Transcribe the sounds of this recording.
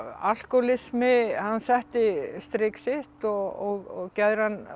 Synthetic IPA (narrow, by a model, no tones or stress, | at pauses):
al̥kɔlɪsmɪhanːsɛht̪ɪst̪ɾɪksɪht̪ɔɔɣɔɣcɛðɾ̥hanː